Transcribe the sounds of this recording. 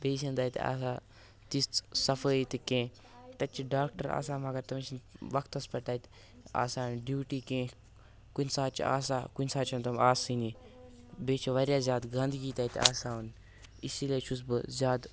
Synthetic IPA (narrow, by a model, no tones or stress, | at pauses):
beːs̬ʲɐnd̪ɐːjt̪a̰ːs̬aː | t̪ist̪sɐfəːit̪ikẽː | t̪ɐt͡ʃʰːiɖaːkʈɐɾa̰ːs̬aːmɐɡɐɾt̪ɐmt͡ʃʰinʋɐkʰt̪ɐspɐʈ̪aːit̪ | a̰ːsaːnɖjuːʈiːkẽː | kunʲsaːt͡ʃḭa̰ːsaːkunʲsaːt͡ʃʰɐnt̪ɐmaːsini | beːt͡ʃʰiʋɐɾʲjaːzʲaːd̪ɡɐ̃nd̪ɡiːt̪ɐit̪a̰ːsaːun | isilet͡ʃʰus̬bɨ̰zʲjaːd̪